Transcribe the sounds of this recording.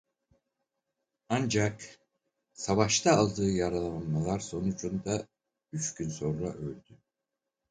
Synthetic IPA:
and͡ʒak | savaʃt̪ʰaːlˠd̪ɯːjaɾalˠaanmalˠaɾso̞nud͡ʒʰund̪a | yt͡ʃɟynso̞nɾa̰ʔø̞lʲd̪y

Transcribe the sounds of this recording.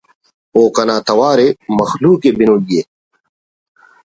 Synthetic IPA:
oːkɐnaːt̪ɐwaːɾemɐxluːkebinodije

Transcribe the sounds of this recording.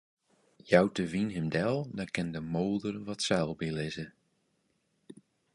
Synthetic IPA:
jawtəvinɦɪmdɛlˠdɔkɪndəmoːlˠdərʋɔtsɛlˠbilɪzə

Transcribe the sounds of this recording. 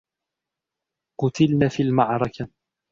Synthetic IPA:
qʊt̪ɪlnaːfiːlmaʕɾˤɑka

